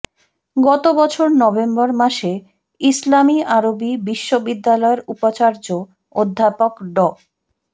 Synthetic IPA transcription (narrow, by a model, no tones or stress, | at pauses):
ɡɔt̪obɔt͡ɕʰoɾnɔbembɔɾmaʃe | islamiaɾobibiʃːobid̪ːalɔeɾupat͡ɕaɾd͡ʑo | od̪ʱːapokɖɔ